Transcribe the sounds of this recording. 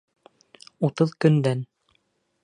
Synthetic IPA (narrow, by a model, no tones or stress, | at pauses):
ut̪ɤðkɵ̆nd̪æn